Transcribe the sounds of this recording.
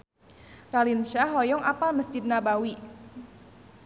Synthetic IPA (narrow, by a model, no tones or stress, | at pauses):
ralinʃaɦɔjɔŋʔapalməsd͡ʒid̪̚nabawi